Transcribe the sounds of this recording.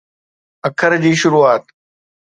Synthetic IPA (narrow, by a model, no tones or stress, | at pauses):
əkʰəɾd͡ʑiːʃʊɾuːaːt̪